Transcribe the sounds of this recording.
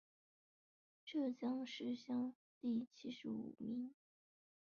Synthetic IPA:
ʈ͡ʂɤ˥˩t͡ɕjɑ˥ŋʂɻ̩˥˧ɕjɑ˥˧ŋ | t̪i˥˩t͡ɕʰi˥ʂɻ̩˧˥ṵ˨˩mi˧˥ŋ

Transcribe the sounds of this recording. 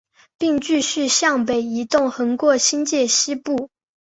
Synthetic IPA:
pi˥˧ŋt͡ɕy˥˧ɕy˥˧ɕjɑ˥˩ŋpe˨˩ɪi˧˥t̪ʊ˥˩ŋxɤ˧˥ŋkwɔ˥˩ɕi˥nt͡ɕjɛ˥˩ɕi˥pu˥˩

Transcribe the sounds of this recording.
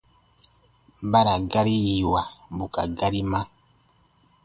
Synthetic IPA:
ba˦ɾa˨ɡa˦ɾi˦ji˨wa˨bu˨ka̰˨ɡa˦ɾi˦ma˦

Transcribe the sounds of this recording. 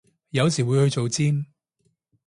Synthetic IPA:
jɐ˨˧wsiː˨˩wuː˨˧jhɵ˧ɥt͡so˨wt͡siː˥m

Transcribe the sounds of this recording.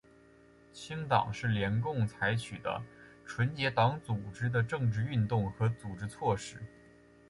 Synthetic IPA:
t͡ɕʰi˥ŋt̪ɑ̰˨˩ŋʂɻ̩˥˩ljɛ˧˥nkʊ˥˩ŋt͡sʰa˧˥ɪt͡ɕʰy˨˩d̪ə̰˦ʈ͡ʂʰwə˧˥nt͡ɕjɛ˧˥t̪ɑ˧˥ŋt͡su˨˩ʈ͡ʂɻ̩˥d̪ə˨ʈ͡ʂɤ˥˧ŋʈ͡ʂɻ̩˥˧y˥˧nt̪ʊ˥˩ŋxɤ˧˥t͡su˨˩ʈ͡ʂɻ̩˧˥t͡sʰwɔ˥˩ʂɻ̩˥˩

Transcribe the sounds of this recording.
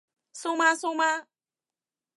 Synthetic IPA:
sõ˦mã˦sõ˦mã˦

